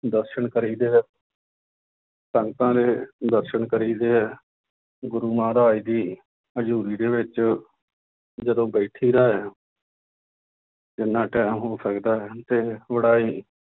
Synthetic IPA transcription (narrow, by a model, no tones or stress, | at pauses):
d̪əɾʃəɳkəɾiːd̪eːɛ | səŋɡt̪ãːd̪eːd̪əɾʃəɳkəɾiːd̪eːɛː | ɡʊɾuːmãːɾaːiːd̪iː | əd͡ʒuːɾiːd̪eːʋɪt͡ʃ | d͡ʒəd̪õːbəːʈʰiːɾaːɦɛː | d͡ʒɪnːãːʈɛːmɦoːsəkd̪aːɦɛːt̪eːʋəɽaːiː